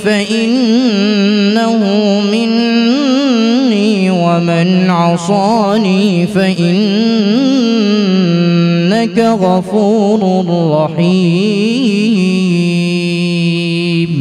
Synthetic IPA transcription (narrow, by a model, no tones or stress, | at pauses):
faʔɪnnː | ahʊ | mɪn | iː | wamɪnʕɑsˤɑːniːfaʔɪn | akaɣɑfuːɾʊrɑħiː | m